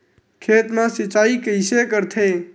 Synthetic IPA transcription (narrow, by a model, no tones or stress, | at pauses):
kʰeːt̪mãsɪt͡ʃaikəɪsekəɾt̪ʰe